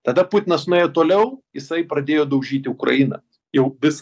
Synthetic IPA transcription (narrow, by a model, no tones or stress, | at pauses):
t̪ɐd̪ɐput̪ʲɪnɐsnoejot̪oːlʲɛʊjɪsɐɪpɾɐd̪ʲeːjoːd̪ɐʊʒʲiːt̪ʲɪʊkɾɐ̰inɐ̰ | jɛʊʋʲɪs